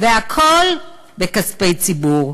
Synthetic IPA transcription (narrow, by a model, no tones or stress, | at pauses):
veakʰol | bekaspejt͡sibuʁ